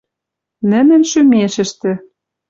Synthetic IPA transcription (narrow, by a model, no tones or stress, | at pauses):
nɘ̆nɘ̆nʃymeʃɘ̆ʃt̪ɘ̆